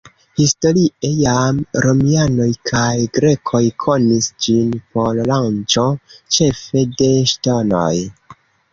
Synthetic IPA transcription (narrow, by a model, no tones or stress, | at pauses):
histo̞ɾie̞jamɾo̞miano̞jkʰajɡɾe̞kʰo̞jkʰo̞nisd͡ʒinpo̞llant͡ʃo̞t͡ʃe̞fe̞de̞ʃtono̞̰j